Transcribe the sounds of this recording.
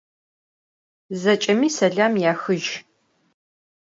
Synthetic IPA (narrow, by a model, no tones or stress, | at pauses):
zɐt͡ʃʼɐmiːsɐɮaːmjaːxɨʒ